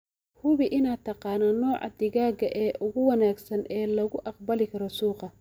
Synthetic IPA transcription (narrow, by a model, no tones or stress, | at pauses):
hʊβɪʔɪnaːt̪ʰɑqɑːnɐnɔːʕɑ̰d̪ɪɣaːɡɐʔɛːʔʊɣʊwɑnaːɡsɐnʔɛːlɐɣʊʔɑq̚bɐlɪkʰɐɾɔsuːqɑ